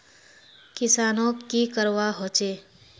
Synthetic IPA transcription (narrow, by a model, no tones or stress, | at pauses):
kɪsaːnõkikəɾʋaɦoːt͡ʃeː